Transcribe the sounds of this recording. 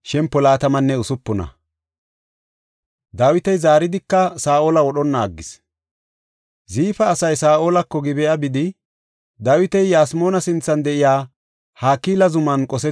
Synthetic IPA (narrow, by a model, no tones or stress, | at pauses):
ʃɛmpːɔlaːt̪ɐmɐnːɛʊsʊpːɔnɐ̰ | d̪aːwɪt̪ɛjzaːɾɪd̪ɪkːɐsaːʔoːlɐwɔɗɔnːaːɡːɪs | ziːfɐːsɐjsaːʔoːlɐkːɔɡɪbɛjɐbɪd̪ɪ | d̪aːwɪt̪ɛjjaːsmoːnɐsɪnt͡sːɐnd̪ɛʔɪjaː | haːkːiːlɐzʊmɐnkʼɔsɛ